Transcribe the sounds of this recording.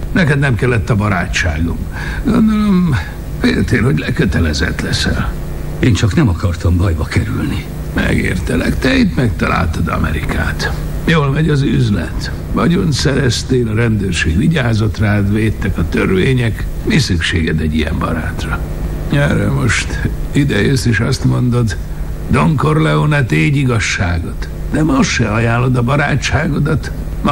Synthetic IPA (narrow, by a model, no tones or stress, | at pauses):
nɛkɛd̪nɛmkɛlːɛt̪ːɒbɒɾaːt͡ʃt͡ʃaːɡo̞m | ɡo̞nd̪o̞lo̞m | fḛːlt̪eːlho̞ɟlɛkøt̪ɛlɛzɛ̰t̪lɛsɛ̰l | eːnt͡ʃɒknɛmɒkɒrt̪ɒmbɒjbɒkɛɾylni | mɛ̰ɡḛːrt̪ɛlɛkt̪ɛit̪mɛk̚t̪ɒla̰ːlt̪ɒd̪ɒ̰mɛ̰ɾikʰa̰ːt̪ | joːlmɛɟɒzyzlɛ̰t̪ | ʋɒɟo̞nsɛɾɛst̪eːlɒɾɛnd̪øːrʃeːɡʋiɟaːzo̞t̪raːd̪ʋeːt̪ːɛkɒt̪ørveːɲɛk | misykʃeːɡɛd̪ɛɟijɛ̰mbɒ̰ɾaːt̪rɒ | ɛrɛ̰mo̞ʃt̪id̪ɛjøːst̪iʃɒst̪mo̞nd̪o̞d̪ | d̪o̞ŋko̞rlɛonɛt̪eːɟiɡɒʃːaːɡo̞t̪ | d̪ɛmo̞sʃɛɒjaːlːo̞d̪ɒbɒɾaːt͡ʃːaːɡo̞d̪ɒt̪ | m